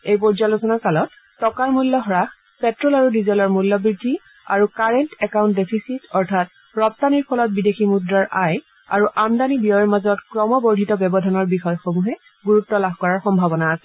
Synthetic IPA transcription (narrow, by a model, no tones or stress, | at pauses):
ejpɔɹzalosɔnakalɔtː | ɔkaɹmulːɔɦɹax | pɛtɹɔlaɹudizɔlɔɹmulːɔbɹidʱːi | a̰ɹukaɹɛntɛkawntdepʰisitɔɹtʰat̚ | ɹɔp̚taniɹpʰɔlɔt̚bideximudɹaɹʔaj | a̰ɹuʔamdanibijɔjɔmazɔtkɹɔmɔbɔɹdʱitɔbjɔbɔdʱanɔɹbixɔjɔxomuɦɛ | ɡuɹutːɔlabʱkɔɹaɹxɔmbʱabɔnaːsɛ